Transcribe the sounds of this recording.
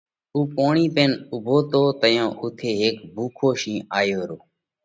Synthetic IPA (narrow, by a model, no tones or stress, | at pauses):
uːpoːɳiːpeːnʊbʱoːt̪oːt̪əjãːʔʊt̪ʰeːɦeːkbʱuːkʰoːʃĩːʔaːjoːɾoː